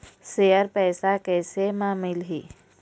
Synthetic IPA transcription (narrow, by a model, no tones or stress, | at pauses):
seːəɾpɛːsakɛːsemaːmɪlɦiː